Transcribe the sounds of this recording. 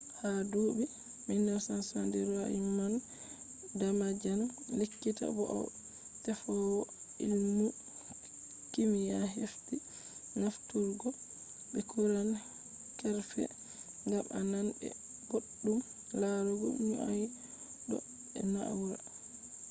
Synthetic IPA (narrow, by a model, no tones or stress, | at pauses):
hadoːbi | minːaɾsansandiɾɔaiman | damad͡ʒanlekːita̰bɔʔa̰w | tɛfɔwɔ | ilmu | kimijaɦefti | naftuɾɡɔ | bɛkuɾan | kɛɾfɛ̰ | ŋɡamʔananbɛ̰ | ɡoɗːum | laɾɔɡɔ̰iɲuaj | ɗɔ̰ | ɛ̰naa̰wɾa̰